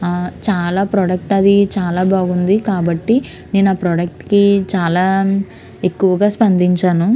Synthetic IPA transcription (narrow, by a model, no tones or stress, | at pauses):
t͡ʃaːlaːpɾoːɖɐk̚ʈɐd̪it͡ʃaːlaːbaːɡund̪ikaːbɐʈːi | neːnaːpɾoːɖɐk̚ʈkit͡ʃaːlaː | e̞kːuʋɐɡaːspɐnd̪iɲt͡ʃaːnu